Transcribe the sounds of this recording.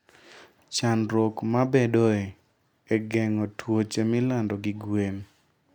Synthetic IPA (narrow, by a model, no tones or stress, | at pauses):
t͡ʃanɾokmabedɔe | eɡɛŋɔtwot͡ʃemɪlandɔɡɪɡwen